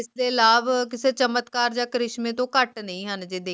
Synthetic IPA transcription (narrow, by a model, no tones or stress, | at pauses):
ɪsd̪eːlaːbk̬ɪseːt͡ʃəmət̪kaːɾd͡ʒãːkəɾɪʃmẽːt̪õːkəʈnəĩːɦənd͡ʒɪd̪eː